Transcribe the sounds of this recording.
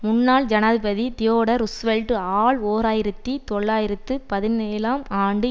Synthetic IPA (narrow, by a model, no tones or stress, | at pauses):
mʊnːaːɭd͡ʒɐnaːðɯpɐðid̪ɪjoːɽɐɾʊsʋɛlʈɯaːɭoːɾaːjɪɾɐt̪ːit̪ɔɭːaːjɪɾɐt̪ːɯpɐðɪneːlaːmaːɳɖɯ